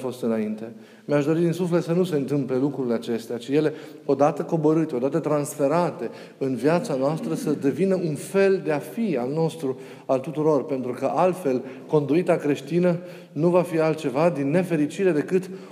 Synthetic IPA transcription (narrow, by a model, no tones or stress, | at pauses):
fo̞st̪ɨnaint̪e̞ | meaʃd̪o̞ɾid̪insuflet̪sənuse̞ɨnt̪ɨmple̞lukɾuileat͡ʃe̞st̪eat͡ʃije̞le̞ | o̞d̪at̪əko̞bo̞ɾɨt̪eo̞d̪at̪ət̪ɾansfe̞ɾat̪e̞ | ɨnvjat̪sanoast̪ɾəsəd̪e̞vinəunfe̞ld̪e̞afialno̞st̪ɾu | alt̪ut̪uɾo̞rpe̞nt̪ɾukəʔalt̪fe̞l | ko̞nd̪uit̪akɾe̞ʃt̪inə | nuvafialt̪̚t͡ʃe̞vad̪inːe̞fe̞ɾit͡ʃiɾe̞d̪e̞kɨt̪